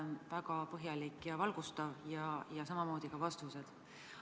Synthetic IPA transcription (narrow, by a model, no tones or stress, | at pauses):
nvækɑpɤɦjɑlikːˑjɑvɑlɡ̥ust̪ɑvjɑjɑsɑmɑmo̞ːd̪̥ikɑvɑst̪used̪̥